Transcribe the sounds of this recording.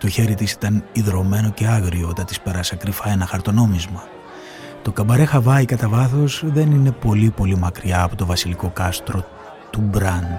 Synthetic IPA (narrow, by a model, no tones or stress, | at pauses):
t̪o̞çe̞ɾit̪isi̥t̪ɐniðɾo̞me̞no̞ce̞ɐɣɾio̞t̪ɐt̪i̥spe̞ɾɐsɐkɾifɐe̞nɐxɐɾt̪o̞no̞mizmɐ | t̪o̞kɐbɐɾe̞xɐvɐikɐt̪ɐvɐθo̞sðe̞nine̞po̞lipo̞limɐkɾiɐːpo̞t̪ovɐsiliko̞kɐst̪ɾo̞ | t̪ubɾɐnd̪